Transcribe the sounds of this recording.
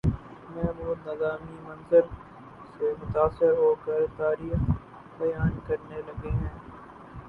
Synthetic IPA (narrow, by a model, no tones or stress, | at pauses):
mɛːmuːd̪nɪzaːmimɐnzɪɾ | semʊt̪aːsɪɾɦoːkɐɾt̪aːɾiːx | bɐjaːnkɐɾnelɐɡiɦɛ̃ː